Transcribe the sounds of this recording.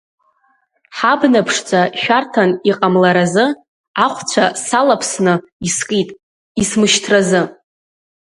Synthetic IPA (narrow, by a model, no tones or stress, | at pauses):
ħabnapʰʂt͡sʷʰʼaʃᶣartʰaniqʼamlaɾazɨ | aχʷt͡sʷʰasalapʰsnɨ | iskʼitʼ | ismɨʃtʰrazɨ